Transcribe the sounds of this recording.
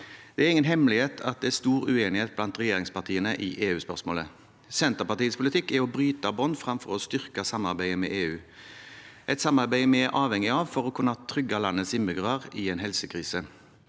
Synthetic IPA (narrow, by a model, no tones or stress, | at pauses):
d̪̥ɛæʁɪŋːənɦɛmlɪheːt̪ʰɑt̪̚d̪ɛæst̪uːʁʉeːnɪheːt̪̚blɑnt̪ʁɛjeːʁɪŋspɑʁt̪ʰiːənəʔɪʔeːʉːspœ̰ʁsmo̰ːlə | sɛnt̪əʁpɑʁt̪iːəspʰʊlɪt̪ʰɪkːɛɔbʁyːt̪ɑbɔnd̪fʁɑmfɔʁɔst̪ʏʁkɑsɑmɑʁbæɪəmɛ̰ʔeːʉː | ʔɛt̪sɑmɑʁbæɪmɛʔɑːʋhɛŋɪɑʋfɔʁɔkʰʊnːɑt̪ʰɾʏɡɑlɑnːəsɪmːɪɡʁəʁɪɛːnhɛlsəkʰʁiːsə